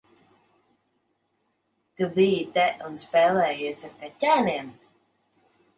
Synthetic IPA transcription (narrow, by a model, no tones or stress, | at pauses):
t̪ubijit̪ɛʔunspɛːlɛːjusʲakacʲaːniɛm